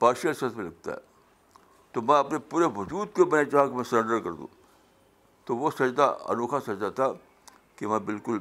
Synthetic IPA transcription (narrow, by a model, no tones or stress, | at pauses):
paːɾʃəlsɐt̪ʰmẽlɐɡ̚t̪a̰ɦɛ̰ | t̪omɛ̃ɐpnepuːɾeʋɐd͡ʒuːd̪kobɐnet͡ʃaːkemɛ̃sɐɾə̃ɳɖəɾkɐɾd̪ṵ̃ː | t̪oʋosɐd͡ʒd̪a̰ɐ̰noːkʰasɐd͡ʒd̪at̪ʰa | kimɛ̃bɪlkʊl